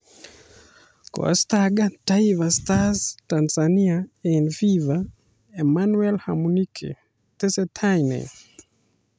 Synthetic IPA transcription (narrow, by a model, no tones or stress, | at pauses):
kɔ̰staɡataivastaztansaniaɛnfiva | emanwɛlha̰munikʰḛ | tesɛtʰajnḛ